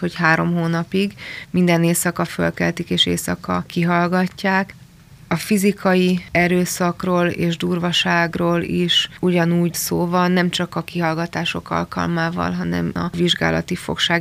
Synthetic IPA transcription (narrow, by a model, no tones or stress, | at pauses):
ho̞chaːɾo̞mɦoːnɒpiɡmind̪ɛneːsɒkɒfø̰lkɛ̰lt̪ikeːʃeːsɒkɒkiɦɒlɡɒcːaːk | ɒfizikɒjiɛɾøːsɒkroːleːʒd̪uːrvɒʃaːɡroːliʃuɟɒnuːɟsoːvɒnːɛmt͡ʃɒkɒkiɦɒlɡɒt̪aːʃo̞kɒ̰lkɒ̰lmaːvɒ̰lɦɒnɛ̰mɒ̰viʒɡa̰ːlɒ̰t̪ifo̞̰kʃaː